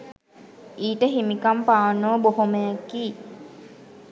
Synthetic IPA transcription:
iːʈəɦimikampaːnːoboɦoməjakiː

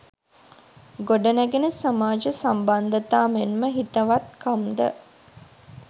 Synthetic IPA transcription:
ɡoɖɐnæɡenəsamaːd͡ʒəsamband̪ɐt̪aːmenməɦit̪əʋat̪kʰamd̪ə̰

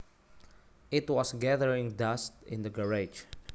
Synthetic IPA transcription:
ʔɪt̪wɔsɡɛðəɹɪ̃ŋd̪ast̪ɪ̰̃nd̪əɡəɹad͡ʒ

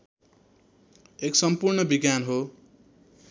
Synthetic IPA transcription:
eksʌmpurɳʌbiɡjanɦo

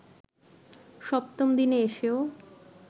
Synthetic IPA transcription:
ʃɔpt̪omd̪ineeʃeo

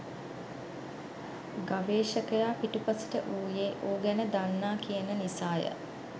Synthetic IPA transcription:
ɡaʋeːʃəkəjaːpiʈupasi̥ʈəʔuːjeːʔoːɡænəd̪anːaːkijənənisaːjə̰

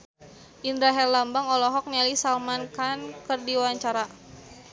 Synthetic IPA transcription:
ʔind̪ɾaɦɛllambaŋɔlɔɦɔk̚nɛlisalmankankərdiwaɲt͡ʃaɾa

